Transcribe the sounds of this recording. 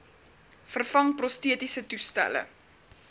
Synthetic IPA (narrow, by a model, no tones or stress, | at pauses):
fərfɐŋprɔstiətisətustæ̰lə̰